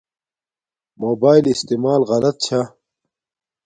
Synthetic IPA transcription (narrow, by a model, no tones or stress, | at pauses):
moːbaːilist̪imaːlɣɐlɐt̪̚t͡ɕʰa